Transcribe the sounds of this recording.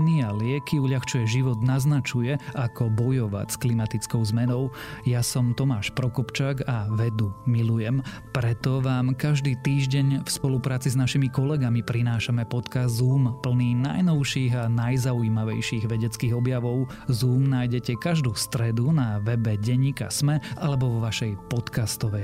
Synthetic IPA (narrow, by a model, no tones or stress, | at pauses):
nialɪɛkiuʎaxt͡ʃujɛʒiʋɔd̪naznat͡ʃujɛʔakʰɔbɔjɔʋa̰csklimat̪it͡skɔʊzmɛnɔʊ | jasɔmt̪ɔmaːʃpɾɔkɔpt͡ʃaːɡaʋɛd̪umilujɛm | pɾɛt̪ɔʋaːmkaʒd̪iːt̪iːʒɟɛɲfspɔlupɾaːt͡siznaʃimikɔlɛɡamipɾinaːʃamɛpɔt̪kazd̪zuːmpl̩niːna̰jnɔʊʃiːɣanajzauiːmaʋɛ̰jʃiːɣʋɛɟɛt͡skiːɣɔbjaʋɔʊ | zuːmnajɟɛcɛkaʒd̪uːst̪ɾɛd̪unaʋɛbɛɟɛɲːiːka̰smɛʔalɛbɔʋɔʋaʃɛjpɔt̪kast̪ɔʋɛ